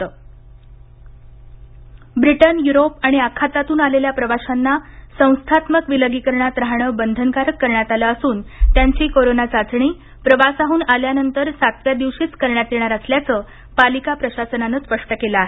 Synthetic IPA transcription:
t̪əː | bɾiʈənjuɾopaɽ̃iakʰːat̪at̪uːnaleljapɾəʋaɕanːasə̃w̃st̪ʰat̪məkʋiləɡikəɾɳat̪ɾaɦɳəbənd̪ʱənkaɾəkːəɾɳjat̪alaːsuːnt̪jaɲt͡ɕiːkoɾonat͡sat͡sɳ̃iː | pɾəʋasaɦuːnaljanənt̪əɾsat̪ʋjad̪iʋɕiːt͡skəɾɳjat̪jeɳ̃aɾasljat͡səː | palikapɾəɕasənanəspəʂʈəkeləaɦe

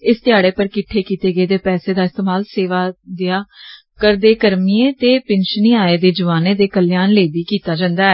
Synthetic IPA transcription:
ɪst̪ɪjaːɽeːpəɾkɪʈʰːeːkiːt̪eːɡəeːd̪eːpɛːseːd̪aːɪst̪eːmaːlseːʋaːd̪ɪjaː | kəɾd̪eːkəɾmiẽːt̪eːpɪnʃəniːaːeːd̪eːd͡ʒəʋaːnẽːd̪eːkəljaːnleːbiːkiːt̪aːd͡ʒãːnd̪aːɛː

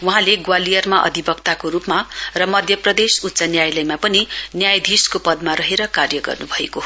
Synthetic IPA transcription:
wuɦãleɡwalijʌrmaʔʌ̰d̪ʱibʌkt̪akoɾupmarʌmʌd̪ʱjʌprʌd̪esut̪ːsanjajlʌjmapʌninjajd̪ʱiskopʌd̪maɾʌɦeɾʌkarjʌɡʌ̰rnubʱʌeko

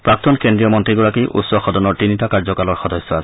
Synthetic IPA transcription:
pɹak̚tɔnkendɹiɔmɔntɹiɡɔɹakiʔṵtsɔxɔdɔnɔɹtinitakaɹzɔkalɔɹxɔdɔsːɔas

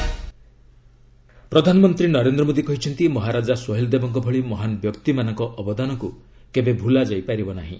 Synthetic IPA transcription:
pɾɔd̪ʱanɔmɔnt̪ɾinɔɾend̪ɾɔmod̪ikɔɦit͡ʃʰɔnt̪imɔɦaɾad͡ʒasɔɦeld̪ebɔŋkɔbʱɔɭimɔɦanɔbjɔkt̪imanɔŋkɔʔɔbɔd̪anɔŋku | kebebʱulad͡ʒɔjpaɾibɔnaɦḭ̃

